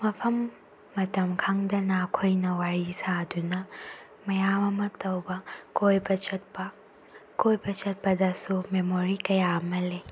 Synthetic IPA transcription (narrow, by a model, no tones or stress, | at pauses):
mɐpʰɐmː | ɐtɐmkʰaŋdɐnɐːkʰojnɐwaɾisadunɐ | mɐjamɐmɐtɐwbɐkojbɐt͡ʃɐt̚pɐ | kojbɐt͡ʃɐt̚pɐdɐsumemoɾikɐjaɐmɐle